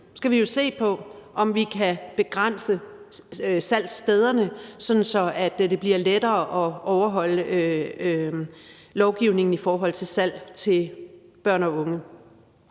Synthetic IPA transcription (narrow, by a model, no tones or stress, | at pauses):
sɡ̥æʋijo̝se̝̰ːpʰɒ̽ʔɒ̽mʋikʰæb̥e̝ɡ̥ʁan̰sə | sæl̰sd̥eð̞ˠɐnəsɒ̽d̥n̩sɒ̽æd̥d̥e̝b̥liɐled̥ɐːʔɒ̽ɒʊɐɦɒ̽l̰əø | lɒʊɡ̥iʊne̝ŋn̩ifɒːɦɒ̽l̰t͡sʰe̝lsæl̰t͡sʰe̝lb̥ɶɐ̰nɒ̽ɔ̽ŋə